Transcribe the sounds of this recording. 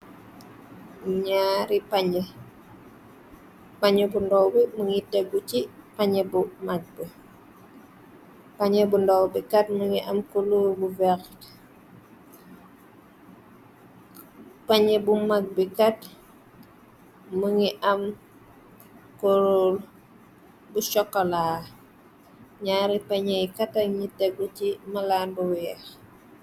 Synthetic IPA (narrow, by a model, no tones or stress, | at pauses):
ɲaɾipaɲə | paɲəbundɔwbiməŋitɛɡut͡ʃipaɲəbumaɡ̚bi | paɲəbundɔwbikat̚məŋiʔɐmkolubuvɛkt | pɐɲɛbumaɡ̚bikɐt̚ | muŋiʔɐm | koɾol | buʃɔkːɔlaː | ɲaːɾipɐɲɛjkɐtɐɲitɛɡut͡ʃimɐlanbuwiɛx